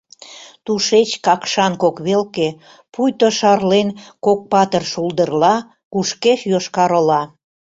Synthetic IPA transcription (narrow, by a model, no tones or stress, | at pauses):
t̪uʃet͡ɕkɑkʃɑnkokβelke | pujt̪oʃɑrlenkok̚pɑt̪ərʃuld̪ərlɑ | kuʃkeʃjoʃkɑɾolɑ